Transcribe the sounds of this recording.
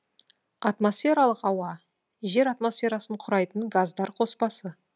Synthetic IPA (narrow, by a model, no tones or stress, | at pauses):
ɑt̪mo̞sfʲe̞ɾalˠəqɑwɑ | ʒe̞ɾat̪mo̞sfʲe̞ɾasəɴqʰʊɾɑjt̪əɴɡazd̪ɑɾqʰo̞spɑsə